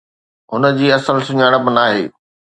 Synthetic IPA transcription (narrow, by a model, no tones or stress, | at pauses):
ɦʊnəd͡ʑiːɐsəlsʊɲaːɪɽ̃ə̆pɐnaːɦḛː